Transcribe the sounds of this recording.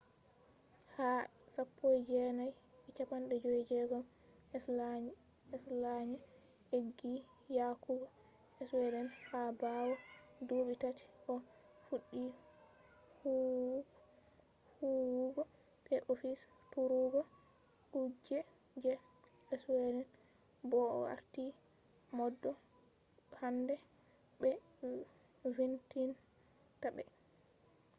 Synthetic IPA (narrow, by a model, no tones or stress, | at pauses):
ha | sapːojd͡ʒɛnaj | ɛt͡ʃapanɗɛd͡ʒojd͡ʒɛɡɔm | ɛs | ɛslaɲɛ | heɡːi | jakuɡɔ | ɛswɛdɛnhabawɔdoɓitati̥ʔɔ | fuɗːi | hu | huɡɔ | ɓ̥ɛʔofis | tuɾuɡɔ | kud͡ʒɛ | d͡ʒɛ | ɛswɛdɛn | bɔ̰wa̰ɾti | mɔdːɔ | handɛ | bɛ | vintin | tabɛ̰